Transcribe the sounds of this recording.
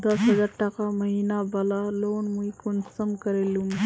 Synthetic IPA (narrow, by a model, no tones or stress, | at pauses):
d̪ɐsɦɐd͡ʒaːɾʈɐkamɐɦiːnabalaloːnmuikonsɐmkɐɾelum